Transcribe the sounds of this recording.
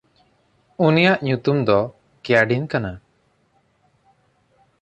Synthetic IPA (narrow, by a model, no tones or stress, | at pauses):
unijaʔɲut̪umd̪ɔ | kɛjaɖinkana